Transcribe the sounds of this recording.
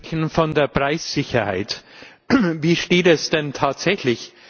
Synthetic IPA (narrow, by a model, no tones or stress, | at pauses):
çn̩fɔndeːɐpʁ̥aɪsz̥ɪçɐha̰ɪt | viːʃteːtɛsd̥ɛntʰaːtz̥ɛçlɪç